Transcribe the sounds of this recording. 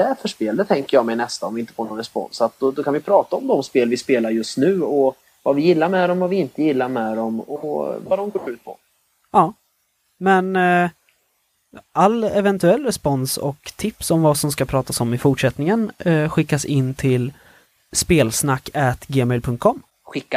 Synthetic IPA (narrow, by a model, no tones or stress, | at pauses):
d̪ɛfœʂpeːld̪ət̪ʰɛŋkəɾjɑːɡmɛjnɛst̪aɔmvɪɪnt̪ə̥foːnɔnɾɛspɔ̰nsat̪̚d̪ɔd̪ɔkʰanvɪjpʰɾɑːt̪aɔmd̪ɔmspeːlvɪspeːlaɾjɵst̪nʉ̟ːɔ | vavɪjɪlːaɾmɛd̪ɔmvavɪɪnt̪əjɪlːaɾmɛd̪ɔmɔ̰vad̪ɔmɡoːɖʉ̟ːt̪̚pʰɔ̰ | ɑː | mɛn | ʔalːɛvɛnt̪ɵɛlːɾɛspɔnsɔ̰kt̪ʰɪpsɔmvasɔmskapʰɾɑːt̪asɔmɪfʊʈʂɛt̪nɪŋənɧɪkːasɪnːt̪ʰɪl | speːlsnakːɛt̪ɡeːmɛɪlpʰɵŋt̪̚kʰɔmː | ɧɪkːa